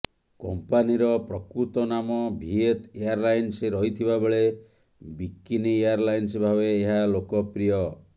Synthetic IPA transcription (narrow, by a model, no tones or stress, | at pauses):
kɔmpaniɾɔpɾɔkɾut̪ɔnamɔbʱiet̪ejaɾlajnseɾɔɦit̪ʰibabeɭe | bikːinieaɾlajnsbʱabeːɦalokɔpɾijɔ